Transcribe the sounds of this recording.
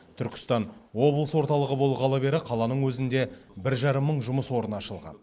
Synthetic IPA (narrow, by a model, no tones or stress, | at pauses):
t̪ʰʏɾkʲɪ̥st̪ɑnwo̞blˠəswo̞ɾt̪ɑlˠəʁəbo̞lˠəʁɑlˠɑbe̞ɾɪqʰɑlˠɑnəɴwɵzɪnd̪e̞bɪɾʒɑɾəmːəɴʒʊməswo̞ɾənɑʃəlˠʁɑ̰n